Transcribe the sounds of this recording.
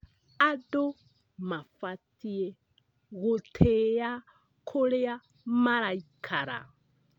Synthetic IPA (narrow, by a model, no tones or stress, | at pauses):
ado | mafatiɛ | ɣɔtʰeja | kʰolɛja | maɾaikʰaɾa̰